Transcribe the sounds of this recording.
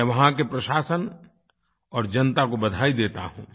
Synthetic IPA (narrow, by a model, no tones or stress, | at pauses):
ɛʋɐɦãkepɾɐʃaːsən | ɔːɾd͡ʒɐnt̪akobɐd̪ʱaːid̪eːt̪a̰ɦṵ̃ː